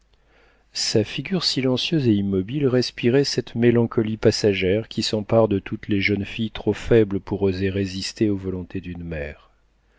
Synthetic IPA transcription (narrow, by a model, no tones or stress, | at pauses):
safiɡʲyʁsilɑ̃sjøzeimːɔbilʁɛspiʁɛsɛt̪melɑ̃kɔlipasaʒɛʁkʲʰisɑ̃paʁd̪ət̪ut̪leʒənfijt̪χofɛbləpuʁozeʁezist̪eovɔlɔ̃t̪ʰed̪ynmɛːʁ